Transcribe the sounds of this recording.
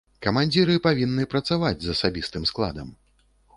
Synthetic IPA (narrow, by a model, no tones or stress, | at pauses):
kɐmanʲd͡zʲiɾɨpavʲinːɨpɾɐt̪savad͡zʲzɐsabʲist̪ɨmsklˠa̰d̪ɐm